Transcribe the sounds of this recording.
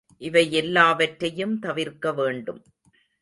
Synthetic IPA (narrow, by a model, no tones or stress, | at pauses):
ʔɪʋɐɪɛlːaːʋɐʈɾɐjɯmt̪ɐʋɪɾkɐʋeːɳɖɯm